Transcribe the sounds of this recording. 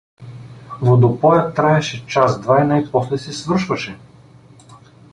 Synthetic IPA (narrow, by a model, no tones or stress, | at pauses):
vod̪opɔjat̪ːɾaɛʃɛt͡ʃazd̪vajnaipɔslɛsɛsvɤɾ̩ʃvɐʃɛ